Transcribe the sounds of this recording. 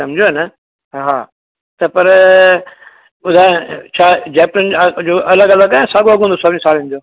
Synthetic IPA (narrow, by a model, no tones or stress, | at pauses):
sɐmd͡ʑʱjoɦɛnɐ | ɦaː | t̪ɐpɐɾ | ʊd̪ʱãːt͡ʃʰaːd͡ʑɛːpɾənd͡ʑoːʔɐləɡɐləɡaːẽsaːɡoɐɡʱɦũnd̪oːsɐbʱñsaːlɪ̃nd̪oː